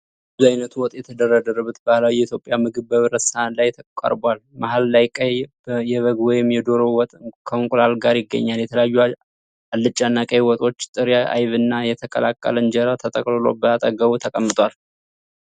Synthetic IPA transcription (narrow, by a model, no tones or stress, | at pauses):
ɨzuajnət̪ʰuwɔt̪ʼjɛt̪ʰəd̪ərːəd̪əɾəβut̪̚bəlawjɛit̪ʰjo̞pʼːjamɨɡɨβbəβɨɾətsanlajt̪ʰəkʼa̰ɾbalmaɦallajkʼəjbjɛβəɡwɔjɪmːjɛd̪o̞ɾowɔt̪ʼkʰəŋkʼlalɡaɾjɪɡːə̰ɲːaljɛt̪ʰələjajːu | alːɨt͡ʃʼːanːakʼəwɔt̪ʼo̞t͡ʃːt̪ʼɨɾjaʔa̰jβɨnːajɛt̪ʰəkʼə̰lakʼːə̰lənd͡ʒɛɾat̪ʰət̪ʼəkʼlɨlo̞̰bəat̪ʼəɡəβut̪ʰəkʼəmːɨt̪ʼwal